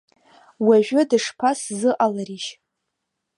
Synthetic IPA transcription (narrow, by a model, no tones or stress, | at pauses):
waʒᶣʊdɨʂpʰaszɨʔalaɾiʃ